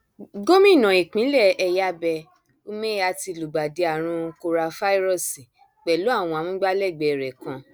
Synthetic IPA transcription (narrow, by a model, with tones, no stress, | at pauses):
ɡõ˦mĩ˦˨nã˨i˨k͡pĩ˨˦lɛ˦˨ɛ˧ja˦bɛ˧ | u˦mẽ˦a˧ti˧lu˨ɡ͡ba˨de˧a˨ɾ̃ũ˧˦ko˧ɾa˧fa˦i˦ɾɔ˦˨si˨ | k͡pɛ˨lo˨˦a˦˨w̃ɔ̃˧a˨mũ˦ɡ͡ba˦lɛ˦˨ɡ͡bɛ˨ɾɛ˨kã˧